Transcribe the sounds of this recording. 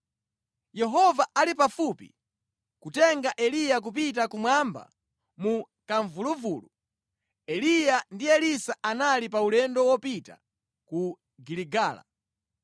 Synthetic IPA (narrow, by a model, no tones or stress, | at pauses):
jɛɦɔvaalipafupḭ | kutɛŋɡaʔɛlijak̬up̬itakumwamba̰ | mu | kaɱvuluvuːlu | ɛlijandijɛlisaʔanalip̬aulɛndɔwɔpita̰ | ku | ɡiliɡaːla̰